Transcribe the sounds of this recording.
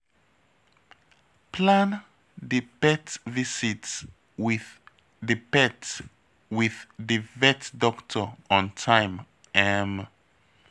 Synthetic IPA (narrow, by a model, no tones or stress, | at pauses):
pʰlãn | dɨpɛtvisits | wið | ðɨpɛt | wiðdɨvɛtdɔktʰəɔ̃ntʰãɪ̃m | ɛm